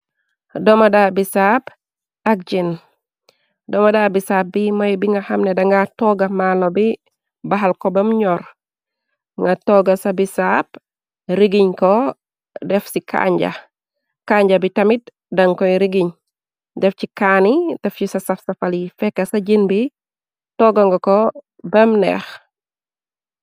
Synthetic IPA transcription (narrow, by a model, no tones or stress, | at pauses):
dɔmadabisaːp | ɐk̚d͡ʒin | dɔmadabisaːp̚bimɐjbiŋɡɐhɐmnɛdɐŋɡatɔɡɐmalobi | baɦalkɔbɐmuɲɔɾ | ŋɡatɔɡɐsabisap̚ | ɾiɡiɲkɔ | dɛfsikʰa̰ːɲɟa̰ | kaːɲɟɐbitɐmit̚ | dɐŋkɔjɾiɡiɲ | dɛfcikaːnidɛfcisɐsɐfsɐfɐlifɛkːɐsɐɟinbi | tɔɡaŋɡɐkɔ | bɐmnɛ̰x